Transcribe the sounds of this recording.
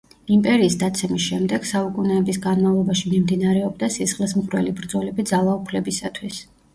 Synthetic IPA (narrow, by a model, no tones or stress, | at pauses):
impʼɛɾiːsd̪at̪sʰɛmisʃɛmd̪ɛɡ̥saukʼunɛːbisɡanmavlˠɔbaʃimimd̪inaɾɛɔb̚d̪asisχlismχɾwɛ̰libɾd̪zɔlɛbid̪zalˠaupʰlɛbisat̪ʰwis